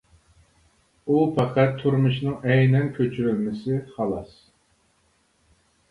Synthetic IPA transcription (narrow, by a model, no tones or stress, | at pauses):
upʰɑqʰæt̪ʰːuɾmɨʃnɨŋɛjnɛnkʲʰøt͡ʃʰyɾylmɪsɪχɑlˠɑs